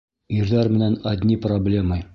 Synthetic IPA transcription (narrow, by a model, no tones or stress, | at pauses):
iɾðæɾmɘ̆nænæd̪ʲnʲiproblʲemɤ